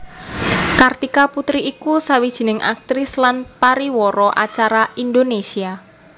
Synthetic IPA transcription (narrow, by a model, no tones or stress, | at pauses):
kart̪ikaput̪ɾiːkusawid̥ʒ̥i̤nɪŋʔa̰k̚t̪ɾɪslanpaɾiwɔɾɔʔa̰t͡ʃaɾaind̪onesia